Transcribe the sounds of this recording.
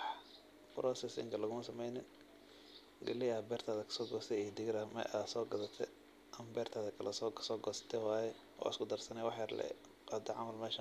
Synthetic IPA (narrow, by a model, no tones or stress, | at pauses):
bɾʔɔsɛsɪ̰ŋkʰɐlɐɣʊmɐsɐmɛjnɪn | ɡɐ̰lɪɐbɛːrt̪ʰaːðɐkʰɐ̥sɔːɡɔst̪ʰɛijd̪ɪɣɾamɛ̰ʔasɔːɡɐðɐt̪ʰɛ̰ | ʔɐmbɛːrt̪ʰaːðɐkʰɐlɐsɔ̥ːsɔːɡɔst̪ʰɛwaːjɛ | ʔɔ̰ʔɪ̰skʰʊd̪ɐrsɐnɛwɑħjɐrlɛ̰ | ad̪ɐʕɑ̰mɐlmɛːʃɐ